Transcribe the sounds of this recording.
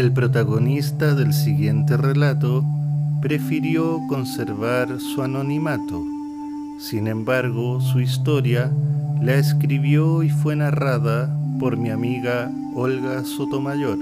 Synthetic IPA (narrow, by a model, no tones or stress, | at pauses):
elpɾot̪aɣonist̪aðelsiɣje̞nt̪erelat̪opɾe̞fiɾjoko̞nseɾβaɾsuano̞nimat̪o | sinẽ̞mbaɾɣosuist̪o̞ɾjalaeskɾiβjoifwe̞naraðapoɾmiamiɣa | olɣasot̪o̞maʝoɾ